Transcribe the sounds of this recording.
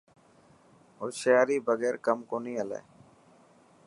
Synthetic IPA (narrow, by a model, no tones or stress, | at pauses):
oʃejaːɾiːbəɡeːɾkəmkoːniːəlḛː